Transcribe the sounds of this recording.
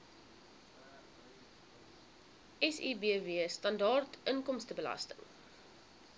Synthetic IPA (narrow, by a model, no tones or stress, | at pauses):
ʔɛsḭːbiəviəstɐndɑːrtʔəŋkɔmstəbəlɐ̰stəŋ